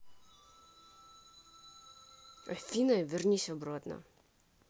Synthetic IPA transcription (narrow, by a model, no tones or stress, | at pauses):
ɔfʲinɔjvʲɛrnʲisʲɔbɾɔt̪nɔ̰